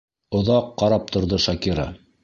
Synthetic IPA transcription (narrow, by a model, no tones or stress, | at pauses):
ŏðɑqːɑɾɑp̚t̪ʰŏɾðɤʃɑkiɾɑ̰